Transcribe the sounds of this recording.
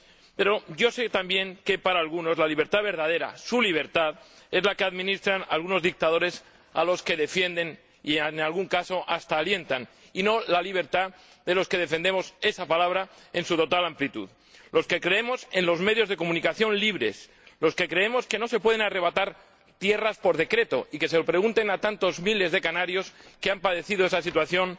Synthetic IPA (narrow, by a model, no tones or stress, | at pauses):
pe̞ɾo̞ʝo̞se̞t̪ambje̞ŋke̞paɾaːlɣuno̞zlaliβ̞e̞ɾt̪aðβe̞ɾðað̞e̞ɾa̰suliβ̞e̞ɾt̪að | e̞zlake̞aðmĩnist̪ɾana̰lɣuno̞zðik̚t̪aðo̞ɾe̞s | a̰lo̞ske̞ðe̞fje̞nd̪e̞n | ḭenalɣuŋkaso̞ʔast̪aːlje̞nt̪an | ino̞laliβ̞e̞ɾt̪a | ðe̞lo̞ske̞ð̞e̞fend̪emo̞se̞sapalaβ̞ɾae̞nsut̪o̞t̪alamplit̪ṵð | lo̞ske̞kɾe̞emo̞se̞nlo̞zme̞ðjozðe̞ko̞mũnikaθjo̞nliβɾe̞̰s | lo̞ske̞kɾe̞e̞mo̞ske̞no̞se̞pwe̞ð̞enare̞β̞at̪aɾ | t̪je̞raspo̞ɾð̞e̞kɾe̞t̪o̞ʔike̞selopɾe̞ɣunt̪e̞nat̪ant̪o̞zmile̞zðe̞kanaɾjo̞ske̞ampað̞e̞θiðo̞e̞sas̬it̪waθjo̞n